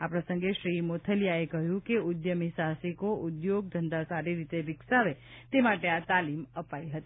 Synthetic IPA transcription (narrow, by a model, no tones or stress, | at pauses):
apɾəsə̃ŋɡeʃɾimot̪ʰəljaekəɦjũkeʊd̪jəmisasikoʔud̪joɡ̚d̪ʱənd̪asaɾiɾit̪eʋɪksaʋet̪emaʈeat̪aliməpaiɦət̪i